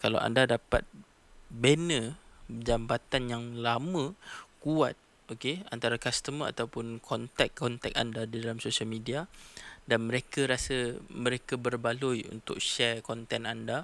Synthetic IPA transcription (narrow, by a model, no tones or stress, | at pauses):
kala̰wʔa̰ndadapa̰t̪̚ | benə̃d͡ʒambat̪anjaŋlamə̃kua̰t̪̚ | okea̰nt̪aɾakast̪əməa̰t̪awpʊnkʰɔnt̪ɛkːɔnt̪ɛk̚a̰ndadidalamsosialmidiadanmə̃ɾekəɾasəmə̃ɾekabərbalujṵnt̪ʊ̰k̚ʃɛrkɔnt̪ɛnanda